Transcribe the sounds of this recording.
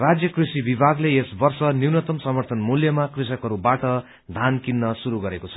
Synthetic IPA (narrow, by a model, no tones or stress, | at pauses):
rad͡zjʌkrisibibʱaɡleesbʌrsʌniwnʌt̪ʌmsʌmʌrt̪ʰʌnmuljʌmakrisʌkɦʌɾubaʈʌ | d̪ʱankinːʌsuɾuɡʌɾekot͡sʰʌ̥